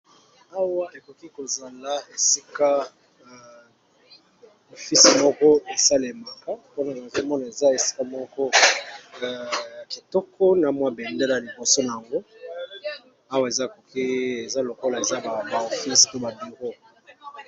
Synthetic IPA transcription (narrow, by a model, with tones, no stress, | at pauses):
a˦wa˦ʔe˨ko˨ki˦ko˨za˨la˦e˨si˦ka˦˨ | o˨fi˦si˨mɔ˦kɔ˦e˨sa˦le˨ma˨ka˦po˦na˨n˨zo˦mɔ˦na˨e˨za˦e˨si̥˦ka˦mɔ˦kɔ˦˨ | ki˨tɔ˦kʰɔ˦na˨mwa˦bɛ˨nde˦la˨a˨li˨bo˨so˦na˨ja˨ŋɡo˦ | a˦wa˨e˨za˦˨ko˨ki˦e˨za˦lo˨ko˦la˨e˨za˦ba˨ba˨o˨fi˦sto˦ba˨bi˨ɡo˦